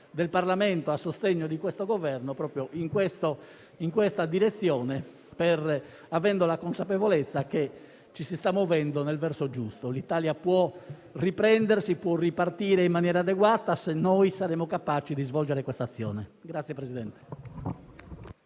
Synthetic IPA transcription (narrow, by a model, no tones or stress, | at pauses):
d̪elparlamɛnt̪oasːost̪eɲːod̪ikwɛst̪oɡovɛrnopɾɔːpɾjoʔiŋkwɛst̪o | iŋkwɛst̪ad̪iɾet̪sːjɔːnɛ | pɛr | avɛnd̪olakonsapevolɛt̪sːake | t͡ʃːisist̪amːovɛnd̪onɛlvɛrsod͡ʒust̪olit̪aːljapwɔ | ripɾɛnd̪eɾsipwɔripart̪iːɾeimːanjɛːɾad̪ɛɡwaːt̪asenːojsaɾɛːmokapaːt͡ʃid̪izvɔld͡ʒɛɾɛkwɛst̪at̪sːjɔ̰ːnɛɡɾat̪sjɛpɾezid̪ɛnt̪ɛ̥